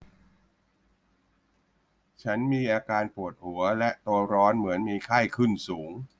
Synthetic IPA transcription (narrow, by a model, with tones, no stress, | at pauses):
t͡ɕʰa˦˥nmiː˧ʔaː˧kaː˧npu˨˩ət̪̚hu˩˦ɐlɛ˦˥ʔt̪u˧əɾɔː˦˥nmɯ˩˦ənmiː˧kʰa˥˩jkʰɯ˥˩nsuː˩˦ŋ